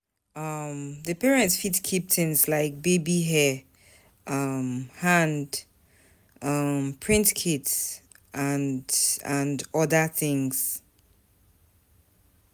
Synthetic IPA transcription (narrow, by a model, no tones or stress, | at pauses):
ʌmðɨpɛɹɛ̃ntsfitkʰip̚tʰɪ̃nzlaɪk̚bebiɦɛ | ʔʌmhãnd | ʌmpʰɹ̥ɪ̃ntkʰɪts | ʔãndə̃ndʌðəθɪ̃ŋz̥